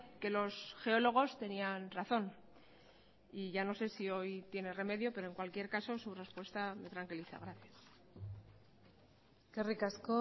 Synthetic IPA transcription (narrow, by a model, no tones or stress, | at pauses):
ke̞lo̞sxe̞o̞lo̞ɣ̞o̞st̪e̞nianraθo̞n | iʝano̞se̞sio̞jt̪je̞ne̞re̞me̞ðjo̞pe̞ɾoeŋkwalkje̞ɾkaso̞sure̞spwe̞st̪ame̞t̪ɾaŋkiliθa̰ɣ̞ɾaθjas | kerikasko